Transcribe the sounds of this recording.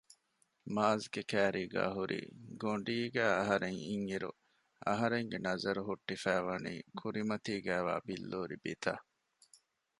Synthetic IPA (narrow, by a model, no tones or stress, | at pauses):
maːzɡekæːɾiːɡæ̰ːɦuɾḭːɡoɳɖiːɡæːɐɦɐɾeŋiŋiɾṵ | ɐɦɐɾeŋɡenɐzɐɾuɦuʈːifæːʋɐnḭːkʰuɾimɐt̪iːɡæːʋa̰ːbilːoːɾibit̪ʰa̰ː